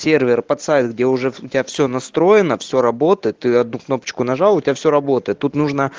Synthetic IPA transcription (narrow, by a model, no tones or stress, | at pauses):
sʲe̞rvʲɪrpɐt̪sajt̪ɡdʲeʊʐɛʊtʲɪafsʲɵnɐst̪ɾo̞jɪnəfsʲɵɾɐbo̞t̪əjɪt̪ːɨɐd̪̚nukno̞pə̥t͡ɕkʊnɐʐɑlˠʊtʲɪbʲafsʲoɾɐbo̞t̪əjɪt̪ːut̪nuʐnə